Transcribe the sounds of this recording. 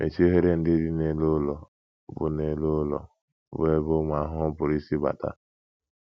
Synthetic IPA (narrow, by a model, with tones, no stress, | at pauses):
mʔḛ˨t͡ʃe˦ɦe˦ɾe˦n̩˦dɪ˦dɪ˦ne˨lo˦lɔ˨ | bʊ̰˨ne˨lo˦lɔ̰˨ | be˦bo˦mʷa˨˦ɦʊ˦m̩˦pʊ˨ɾi˦si˦ba̰˨ta̰˦